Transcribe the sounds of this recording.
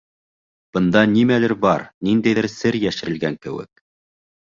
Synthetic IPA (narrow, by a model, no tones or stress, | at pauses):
b̥ɤ̆nd̪ɑnimælɘɾbɑɾnind̪æjðɘɾsɘɾjæʃɘ̆ɾɘ̆lɡæŋkɘ̆wɘ̰k̚